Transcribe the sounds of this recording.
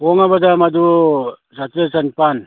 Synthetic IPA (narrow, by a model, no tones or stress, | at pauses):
ɔŋabadamadusatɾesanpan